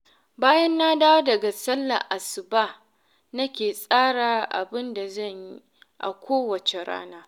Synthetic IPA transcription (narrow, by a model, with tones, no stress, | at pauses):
baː˦jɐ˦nːa˦daː˦wdɐ˨ɡa˨sɐ˦lːa̰˨ʔa˨sɪ˨baː˦ | nɐ˦kʲeː˨sʼaː˦ɽaː˨ʔa̰˨bɪ˦nda˨zɐ˦˨ɲji˦ | ʔa̰˨kʷʰoː˦wɐ˨t͡ʃe˨ɽa̰ː˦naː˦